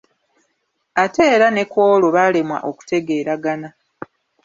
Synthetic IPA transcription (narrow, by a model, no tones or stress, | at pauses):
ateːɾane̞kwo̞ːlo̞βalemwa̰ʔoku̥te̞ɡe̞ːɾaɡana